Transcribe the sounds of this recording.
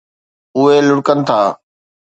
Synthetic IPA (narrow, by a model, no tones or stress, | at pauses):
ʊɦelʊɽkənɪ̆t̪ʰaː